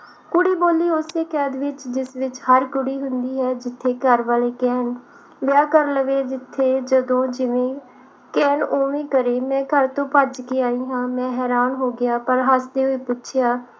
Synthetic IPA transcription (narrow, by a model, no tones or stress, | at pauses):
kʊɽiːboːliːʊseːkɛːd̪ʋɪt͡ʃd͡ʒɪsʋɪt͡ʃhəɾkʊɽiːɦʊ̃nd̪iːɦɛːd͡ʒɪt̪ʰːeːkəɾʋaːleːkɛːn | ʋɪjaːkəɾləʋeːd͡ʒɪt̪ʰːeːd͡ʒəd̪õːd͡ʒɪʋẽː | kɛːnoːʋẽːkəɾeːmɛ̃ːkəɾt̪õːpəd͡ʒkeːaːiːɦãːmɛ̃ːɦɛːɾaːnɦoːɡɪjaːpəɾɦasd̪eːɦoiːpʊtːʃʰɪjaː